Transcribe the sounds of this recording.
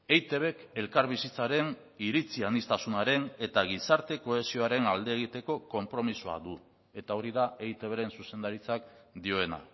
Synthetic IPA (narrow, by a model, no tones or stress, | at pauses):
ejt̪e̞β̞e̞ke̞lkaɾβisit͡saɾe̞n | iɾit͡sianist̪asunaɾe̞ne̞t̪aɣ̞isaɾt̪e̞ko̞e̞sio̞aɾe̞nald̪e̞ːɣ̞it̪e̞ko̞ko̞mpɾo̞misua̰ðu | e̞t̪ao̞ɾiðae̞jt̪e̞βeɾe̞nsuse̞nd̪aɾit͡sakd̪io̞e̞na̰